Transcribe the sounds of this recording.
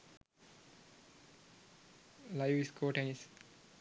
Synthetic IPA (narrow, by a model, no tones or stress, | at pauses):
lajʋiskʰoːʈenis